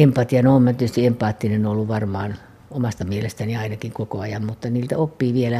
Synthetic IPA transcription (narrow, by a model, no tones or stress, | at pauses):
empɑt̪iɑnoomnɑt̪yøest̪iempˑɑːt̪ːinenolːuʋʋɑrmɑːn | omɑst̪ɑmielest̪æniɑinɑkiŋkokoɑjɑmmut̪ːɑniːlt̪æ̰opːiːʋielæ